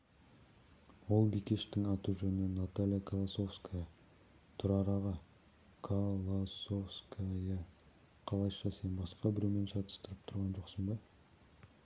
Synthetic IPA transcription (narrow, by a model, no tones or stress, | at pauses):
wo̞lˠbikʲeʃt̪ɪŋɑt̪uʒɵnənat̪alʲjakʰolˠaso̞fskajɑ | t̪ʰʊɾɑɾɑʁɑ | kʰalˠosofskajɑ | qʰɑlˠɑjʃɑsenbɑsqɑbɪɾeme̞nʃɑt̪ə̥st̪əɾəp̚t̪ʰʊɾʁɑnʒo̞qsəmbɑ